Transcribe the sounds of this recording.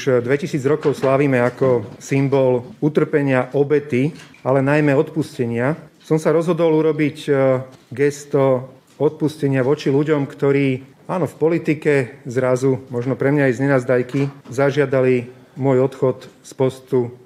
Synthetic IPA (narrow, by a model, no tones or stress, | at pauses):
uʃd̪ʋɛcisiːd͡zɾɔkɔʊslaːʋiːmɛakɔsimbɔlut̪r̩pɛɲɪaʔɔbɛt̪ialɛnajmɛɔt̪puscɛɲɪasɔmsaɾɔzɦɔd̪ɔluɾɔbic | ɡɛst̪ɔ | ɔt̪̚puscɛɲɪaʋɔt͡ʃiluɟɔmkt̪ɔɾiː | aːnɔfpɔlit̪ikɛzɾazumɔʒnɔpɾɛmɲaajzɲɛnaːzd̪ajkizaʒɪad̪ali | mʊɔjɔt̪xɔt̪spɔst̪u